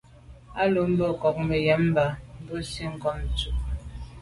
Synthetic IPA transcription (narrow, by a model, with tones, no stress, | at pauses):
a˦lo˨˦m̩˦bɔ˦˨kɔ˨k̚me˨jɛ˨˦m˦ba˨˦m̩˦bə˦si˦ŋ̩˨kɔ˦m˨t͡su˦ʔ